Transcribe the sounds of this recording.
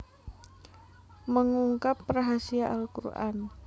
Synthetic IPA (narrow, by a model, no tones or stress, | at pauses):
məŋuŋkapːraɦasiaʔalkṵɾʔa̰n